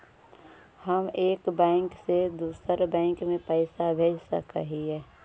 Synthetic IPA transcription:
həmeːkbɛ̃ːŋksed̪uːsəɾbɛ̃ːŋkmẽpəːsabʱeːd͡ʒsə̰kəɦiɦɛː

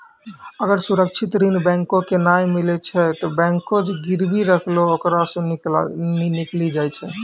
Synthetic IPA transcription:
əɡəɾsuɾək̚t͡ʃʰit̪ɾinbɛ̃ŋkõkenajmilɛt͡ʃʰɛt̪ɔbɛ̃ŋkod͡ʒeɡiɾbiɾəkʰlookɾasɔ̃ | iniklid͡ʒajt͡ʃʰɛ

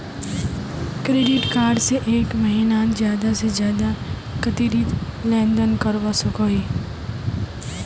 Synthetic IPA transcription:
kɾeːɖɪʈkaːɾɖseʔeːkməɦiːnaːzjaːd̪asezjaːd̪a | kət̪iːɾit̪lɛ̃ːnd̪ənkəɾʋasəkoːiː

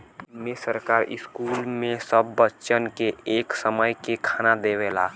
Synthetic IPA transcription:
mesəɾkaːɾɪ̰skulmẽsəbːətːʃənkeʔeːksəməjkekʰaːnad̪eela

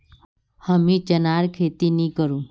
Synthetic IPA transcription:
həmĩt͡ʃənaɾkʰeːt̪inĩkəɾũː

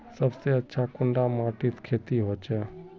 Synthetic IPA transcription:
səbseətːʃʰakʊɳɖamaːʈiːt̪kʰeːt̪iɦoːt͡ʃʰeː

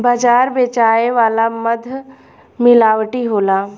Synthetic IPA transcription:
baːd͡ʒaːɾbeːt͡ʃaːeʋaːlaməd̪ʱ | mɪlaːʋʈiɦoːlaː

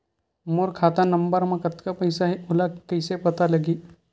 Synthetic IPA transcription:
moːɾkʰaːt̪anɐ̃mbəɾmẽkɐt̪kapɐɪsaɦiʊlakɐɪsepɐt̪alɐɡiː

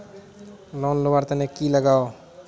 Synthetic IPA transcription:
lɔnlowaɾt̪ənekiləɡao

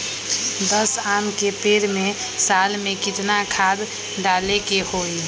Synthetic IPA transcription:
d̪əsamkepeɾme | salmekɪt̪nakʰad̪ | ɖalekehoi

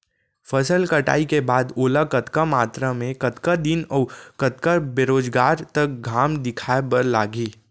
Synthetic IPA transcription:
fɐsəlkɐʈa̰ːikebaːd̪oːlakɐt̪kamaːt̪ɾamẽkɐt̪kad̪ɪnɔːkɐt̪kabeːɾoːd͡ʒɡaːɾt̪ɐk̚ɡʱaːmd̪ɪkʰaːepɐɾlaːɡiː

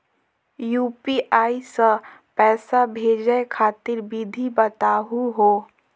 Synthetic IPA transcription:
juːpiʔaːisə | pɛːsabʱeːd͡ʒəekʰaːt̪ɪɾbid̪ʱibət̪aːɦuɦoː

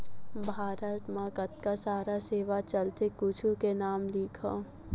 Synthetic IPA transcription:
bʱaːɾət̪mãkɐt̪̚kasaːɾaseːʋat͡ʃɐlt̪ekut͡ʃʰukenaːmliːkʰaː

